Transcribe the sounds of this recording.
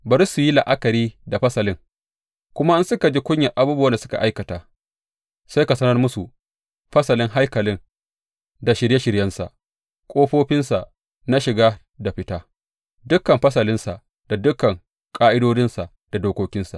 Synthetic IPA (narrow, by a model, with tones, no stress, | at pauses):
bɐ˨ɾsʊ˨ji˦la˨ʔa˦kɐ˨ɾiː˦da˨ɸɐ˦sɐ˨lɪ˦ŋ | kʷʊ˦ma˦ʔɪ˦nsʊ˦ka˨d͡ʒi˦kʷʊ˦ɲja˨ʔa˨buː˦bɐ˦nda˨sʊ˦ka̰˨ʔa˦jkɐ˨taː˨ | sa˦jka˨sɐ˦nɐ˦rmʊ˦su˨ | ɸɐ˦sɐ˨lɪ˦ŋɦa˦jkɐ˨lɪ˦ŋ | da˨ʃɪ˨ɾje˦ʃɪ˨ɾjɐ˦nsa̰˨ʔ | kʷʼoː˦ɸoː˦ɸɪ˦nsa˨ʔ | na˦ʃɪ˨ɡaː˦ | da˨ɸɪ˦taː˦ | dʊ˦kːɐ˨mɸɐ˦sɐ˨lɪ˦nsa˨ʔ | d̥a˨dʊ˦kːɐ˨ŋ | kʼaː˦ʔɪ˦doː˦d͡ʒɪ˦nsa˨ʔ | d̥a˨doː˨kʷoː˦kʲɪ˦nsa̰˨